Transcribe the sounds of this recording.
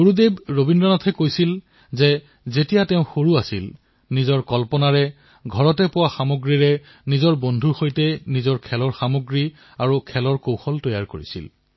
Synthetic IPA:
ɡoɹudebɹobindɔnɔtʰɛkojsil | zɛ | zetijatɛʊ̃xoɹuasil | nizɔɹkɔlpɔnaɹɛ | ɡʱɔɹɔtɛpʊwaxamoɡɹiɹɛ | nizɔɹbondʱuxojtɛnizɔɹkʰɛlɔɹxamoɡɹi | aɹukʰɛlɔɹkowxɔltɔjaɹkoɹḭsḭl

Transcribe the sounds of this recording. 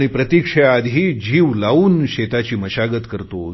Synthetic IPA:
ɽ̃ipɾət̪ikʂəjad̪ʱɦiːd͡ʑiːʋlauːnɕet̪at͡ɕiːməɕaɡət̪kəɾt̪o

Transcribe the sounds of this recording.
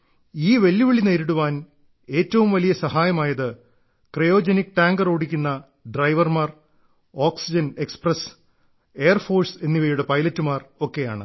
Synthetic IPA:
iːʋe̞lːuʋiɭineːɾiɽuʋaːn | e̞ːtːɐʋumʋɐlijɐsɐhaːjɐmaːjɐðɨ | krejo̞ːd͡ʑenikːʈaːŋɡɐroːɽikʲːunːɐ | ɖrɐjʋɐrmaːr | oːksid͡ʑɐne̞ksprɐs | e̞ːɐrfo̞ːrse̞nːiʋejuɽepɐjlɐtːumaːro̞kːe̞ja̰ːɳɨ̰

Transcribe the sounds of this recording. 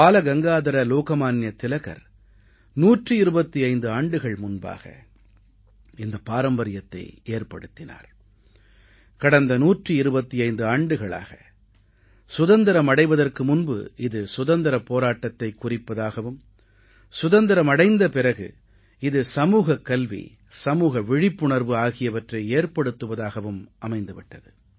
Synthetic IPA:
aːlɐɡɐŋɡaːðɐɾɐloːkɐmaːnjɐt̪ːɪlɐɣɐ̰ɾ | nuːʈrɯɪɾɯbɐt̪ːiɐɪnd̪ɯaːɳɖɯɣɐɭmʊnba̰ːɣɐ̰ | ɪnd̪ɐpaːɾɐmbɐɾɪjɐt̪ːɐ̰ɪeːrpɐɽɯt̪ːɪna̰ːɾ | kɐɽɐnd̪ɐnuːʈrɯɪɾɯbɐt̪ːiɐɪnd̪ɯaːɳɖɯɣɐɭa̰ːɣɐ | sʊðɐnd̪ɐɾɐmɐɽɐɪʋɐðɐrkɯmʊnbɯ̰ʔɪðɯsʊðɐnd̪ɐɾɐpːoːɾaːʈːɐt̪ːɐɪkːʊrɪpːɐðaːɣɐʋɯm | sʊðɐnd̪ɐɾɐmɐɽɐɪnd̪ɐpɪrɐɣɯ̰ | ɪðɯsɐmuːɣɐkːɐlʋḭ | sɐmuːɣɐʋɪɻɪpːʊɳɐɾʋɯaːɣɪjɐʋɐʈrɐɪeːɾpɐɽɯt̪ːɯʋɐðaːɣɐʋɯmʔɐmɐɪnd̪ɯʋɪʈːɐðɯ

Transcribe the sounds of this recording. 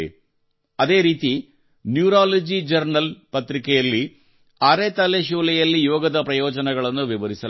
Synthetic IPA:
ḛ | ɐd̪e̞ːɾiːt̪i | njuːɾaːlɐd͡ʒid͡ʒɐɾnɐlpɐt̪ɾikɐjɐlːi | aːɾet̪ɐleʃuːlɐjɐlːijoːɡɐd̪ɐpɾɐjo̞ːd͡ʒɐnɐɡɐɭɐnːuʋiʋɐɾisɐ

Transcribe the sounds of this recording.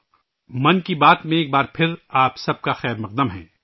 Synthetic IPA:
mɐnkibaːt̪mẽeːk̚baːɾpʰɪɾaːpsɐb̚kaxɛːɾmɐq̚d̪əmɦɛ̰̃ː

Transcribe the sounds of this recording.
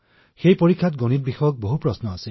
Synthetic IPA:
xejpoɹikʰːatɡonit̚bixɔjɔk̚boɦupɹɔsnɔasɛ

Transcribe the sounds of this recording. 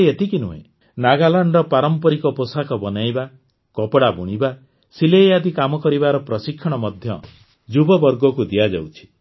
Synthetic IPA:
et̪ikinuɦḛ̃ | naɡalaɳɖɾɔpaɾɔmpɔɾikɔposakɔbɔnajba | kɔpɽabuɽ̃iba | silejad̪ikamɔkɔɾibaɾɔpɾɔsikʰːɔɽ̃ɔmɔd̪ʱjɔ̰ | d͡ʒubɔbɔɾɡɔkud̪iad͡ʒa̰wt͡ʃʰi̥

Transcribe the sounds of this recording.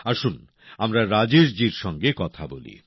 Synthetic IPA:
aʃun | amɾaɾad͡ʑeɾd͡ʑiɾʃɔŋɡekɔt̪ʰabolḭ

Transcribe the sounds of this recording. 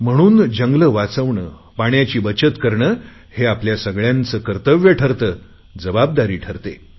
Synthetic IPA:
m̤əɽ̃uːnd͡ʑəŋɡləʋat͡səʋɳə | paɳjat͡ɕiːbət͡ɕət̪kəɾɳəː | heapljasəɡɭjãnt͡səːkəɾt̪əʋjəʈʰəɾt̪əː | d͡zəbab̚d̪aɾiːʈʰəɾt̪e

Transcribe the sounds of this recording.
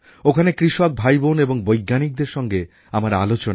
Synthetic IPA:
okʰanekɾiʃok̚bʱajboneboŋbojɡːanik̚d̪eɾʃɔŋɡe | amaɾalot͡ɕona

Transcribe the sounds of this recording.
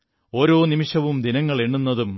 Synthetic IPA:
o̞ːɾo̞ːnimiʂɐʋumd̪inɐŋːɐɭe̞ɳːunːɐðum

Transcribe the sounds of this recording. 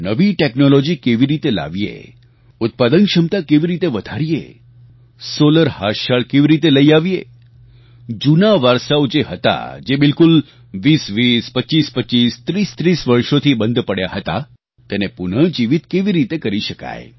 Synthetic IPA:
nəʋiʈeknolod͡ʒikeʋiɾit̪ela̰ʋijḛ | ʊt̪̚pad̪ənkʃəmt̪akeʋiɾit̪eʋəd̪ʱaɾijḛ | soləɾhaʃaɭkeʋiɾit̪eləiaʋijḛ | d͡ʒunaʋəɾsaʋod͡ʒeɦət̪a̰d͡ʒebɪlkul | ʋisʋispətːʃispətːt͡ʃist̪ɾist̪ɾisʋəɾʃot̪ʰibə̃nd̪pəɽja̰ɦət̪a̰ | t̪enepunəd͡ʒiʋit̪keʋiɾit̪ekəɾiʃəka̰e

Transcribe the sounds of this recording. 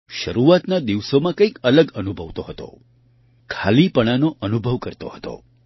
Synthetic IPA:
ʃəɾuat̪nad̪iʋsomãkə̃ikələɡənubʱəʋt̪oɦət̪o̰ | kʰalipəɽ̃anoʔənubʱəʋkəɾt̪o̰ɦət̪o̰

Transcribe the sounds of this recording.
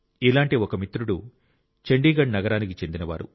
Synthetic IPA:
ilaːɳʈiokɐmit̪ɾuɽu | t͡ʃeɳɖiːɡɐɳɖnɐɡɐɾaːnikit͡ʃe̞nd̪inɐʋa̰ːɾṵ

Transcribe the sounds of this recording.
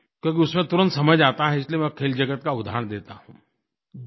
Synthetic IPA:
kjõk̬iʊsmẽt̪ʊɾə̃nt̪sɐməd͡ʒaːt̪aɦɛɪsliemɛkʰeːld͡ʒɐɡət̪kaʊd̪ʱa̰ːɳd̪eːt̪aɦũː

